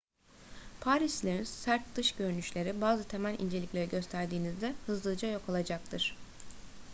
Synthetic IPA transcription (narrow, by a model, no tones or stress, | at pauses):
pʰaːɾislʲeɾinssæɾt̪̚d̪̥ɯʃɟø̞ɾynyʃlʲe̞ɾibaːzɯt̪ʰe̞mælʲʔḭnd͡ʒe̞lʲicʲlʲe̞ɾiɟø̞st̪ʰæɾd̪iːnizd̪ɛhɯzlˠɯd͡ʒajo̞kʰolˠad͡ʒak̚t̪ʰɯɾ̥